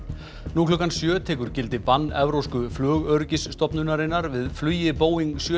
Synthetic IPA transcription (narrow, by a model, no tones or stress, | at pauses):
nuːkʰlʏːkansjœːt̪ʰɛːkʏɾ̥cɪlt̪ɪpanːɛvɾowskʏflœːɣœɾcɪsːt̪ɔpnʏnaɾɪnːaɾvɪðflʏːjɪpoːwiŋksjœ